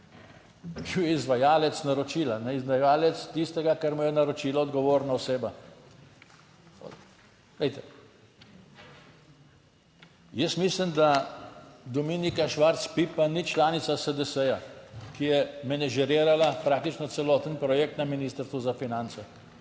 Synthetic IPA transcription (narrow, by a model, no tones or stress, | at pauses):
ʒujɛizʋajaːlɛt̪snaɾɔt͡ʃiːlanɛizʋajaːlɛt̪st̪ist̪ɛɡakaɾmɔjɛnaɾɔt͡ʃiːlaɔd̪ɡɔʋoːɾnaɔseːba | lɛjt̪ɛ | jəsmislimd̪a | d̪ɔminikaʃʋaɾt̪spipanit͡ʃlaːnit̪sasəd̪əsɛjakijɛmɛnɛʒɛɾiːɾalapɾak̚t̪it͡ʃnɔt̪sɛlɔt̪ənpɾɔjɛk̚t̪naminiːst̪əɾst̪ʋuzafinant̪sɛ